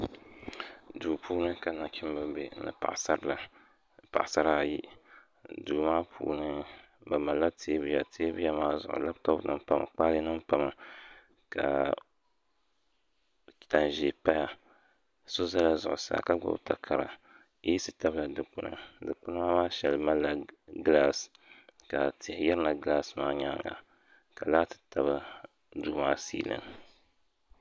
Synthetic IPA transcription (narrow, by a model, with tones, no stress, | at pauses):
duː˨pʰuː˦nɨ˦ka˨na˨kʰʲi˦m˦bɨ˦be˨˦nɨ̰˨pa̰˨ʔsa˦ɾla˨ | pa̰˨ʔsa˦ɾa˦˨ji˦ | duː˨maː˦pʰṵː˨˦nɨ˦ | ba˨ma˨la˦tʰeː˦bɨ˦ja˨tʰeː˦bɨ˦ja˦maː˦zʊ̰˨ʔʊ̰˨la˦btɔ˦bnɨ̰˦m˦pa˦ma̰˨k͡pa˦lɨ˦nɨ˦m˦pa˨ma˨ | ka̰˨ | ta˨n˨ʒe˨pa˦ja˨ | so˦za˦la˦zʊ˨ʔʊ˨sa̰ː˨ka˦ɡ͡bʊ̰˦bta˨kʰa˨ɾa̰˨ | ji˦sɨ˦˨ta˦bla˨dɨ˨k͡pʊ˦nɨ̰˨dɨ˨k͡pʊ˦na˦ma˦maː˦ʃɛ˨lɨ˨ma˦lːa˨ɡɨ˦la˦s | ka˨tʰɪ˨hjɛ˦ɾɨ˦na˨ɡɨ˨la˦smaː˦ɲa˦ŋa̰˨ | ka˨laː˦tɨ̥˦ta˨βɨ˦ | duː˦maː˦sḭː˦lɨ̰˦n